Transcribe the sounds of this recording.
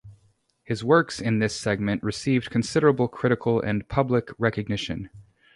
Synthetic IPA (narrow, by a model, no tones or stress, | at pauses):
hɨzwɜ˞ksɨ̃nðɪsɛɡ̚mɨ̃nʔɹɨsivdkʰɨ̃n̩sɪɾə˞əbl̩ˠkʰɹ̥ɪɾɨkʰl̩ˠɨ̰̃npʰʌbləkɹɛkɨɡ̚nɪʃɨ̰̃n